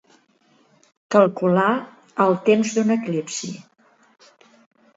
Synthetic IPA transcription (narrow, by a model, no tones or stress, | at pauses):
kəlˠkula | əlˠt̪emzd̪unəklipsḭ